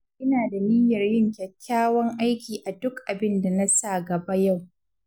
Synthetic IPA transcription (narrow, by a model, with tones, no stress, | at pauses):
ʔɪ˦naː˨da˨liː˦jɐ˨rjɪ˦ŋkʲɐ˨kʲːaː˦wɐ˦ŋʔa˦jkʲiː˨ʔa˨dʊ˦kʔa˨bɪ˦nda˨na˦sa˦˨ɡɐ˨ba˦ja˦˨w